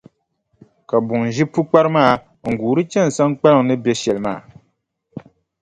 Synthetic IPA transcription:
ka˨bʊ˨ŋ˨ʒi˦pu˦k͡pa˦ɾɨ˦maː˦˨ | ŋ̩˨ɡuː˨ɾɨ˦t͡ʃɛ˦n˨sa˦ŋk͡pa˦lɨ˦˨ŋ˨nɨ˦bjɛ˦ʃɛ˨lma̰ː˨

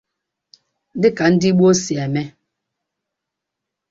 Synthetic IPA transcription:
dɪ˦ka˨n̩˦di˦ɓwo˦sja˨mɛ˦

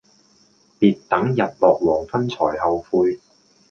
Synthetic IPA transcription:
piː˨tt̪ɐ˨˥ŋjɐ˨t̚lɔː˨k̚wɔː˨˩ŋfʰɐ˥nt͡sʰɔː˨˩jhɐ˨wfuː˧j

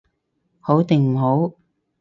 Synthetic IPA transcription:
ho˨˥wt̪ɪ˨˩ŋm̩˨˩ɦo˨˥w

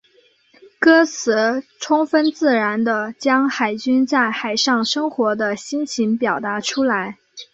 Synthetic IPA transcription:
kɤ˥t͡sʰɹ̩˧˥ʈ͡ʂʰʊ˥ŋfə˥nt͡sɹ̩˥˩ɻa˧˥nd̪ə˧t͡ɕjɑ˥ŋxa˨˩ɪt͡ɕy˥nt͡sa˥˩ɪxa˨˩ɪʂɑ˥˩ŋʂɤ˥ŋxwɔ˧˥d̪ə˧ɕi˥nt͡ɕʰi˧˥npjɑ˨˩ʊt̪a˧˥ʈ͡ʂʰu˥la˧˥ɪ

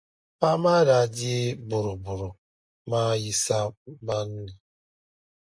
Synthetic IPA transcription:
pa˦ma˦da˨dɪ˦bʊ˨ɾʊ˨bʊ˨ɾʊ˨ | ma˦ji˨sa˦ba˦n̩˦nɪ˨

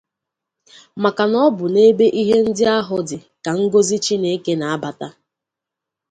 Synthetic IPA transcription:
ma˨ka˨nɔ˦bʊ˨ne˦be˦ʔi˦ɦe˦n̩˦dɪ˦a˦ɦʊ˦dɪ˨ | ka˨ŋ̩˦ɡo˦zi˦t͡ʃi˦ne˨˦ke˦na˨a˦ba˨ta˦

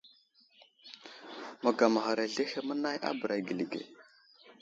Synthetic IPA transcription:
mə˨ɡa˨ma˨xa˨ɾa˨ɮe˦xe˦mə˦na˦jʔa̰˦bə˨ɾa˨ɡi˨li˨ɡḛ˨

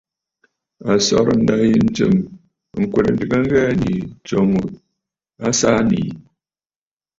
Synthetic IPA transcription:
a˨sɔ˦ɾn̩˦da˦hi˦n̩˦t͡ʃɨ̰˦˨m | ŋ̩˨kʷe˨ɾ̩˨˦dɨ˦ka˦ŋ˦ɡɛ˦a˨nḭ˨t͡ʃo˨ŋu˨ | a˦sa˦nḭ˨

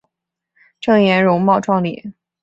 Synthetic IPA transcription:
ʈ͡ʂɤ˥˩ŋjɛ˧˥nɻʊ˧˥ŋmɑ˥˧ʊʈ͡ʂʰwɑ˥˧ŋlḭ˨˩˦

